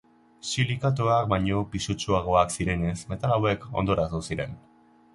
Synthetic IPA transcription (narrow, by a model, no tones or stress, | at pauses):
silikat̪̬oak̚baɲo̞pisut͡ʃuaɣ̞o̞aksiɾe̞ne̞sme̞t̪alawe̞ko̞̰nd̪o̞ɾasusiɾe̞̰n